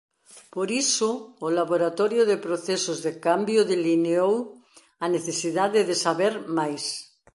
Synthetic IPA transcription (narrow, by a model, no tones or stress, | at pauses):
poɾisoːlaβoɾat̪oɾjoðepɾoθesozðekambjoðelineow | aneθesiðaðeðesaβeɾmajs